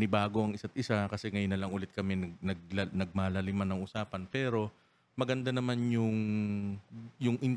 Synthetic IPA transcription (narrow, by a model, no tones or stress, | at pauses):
nɪbaːɡoʔɐŋʔɪsat̪̚ʔɪsakɐsɛŋɐjʊnːɐlɐŋʔʊlɛt̪̚kɐmɛnɐnɐɡ̚lɐnɐɡ̚maːlɐlɪmanɐŋʔʊsaːpɐnpɛːɾo̞ | mɐɡɐnd̪anɐmanjʊŋ | jʊŋʔɪn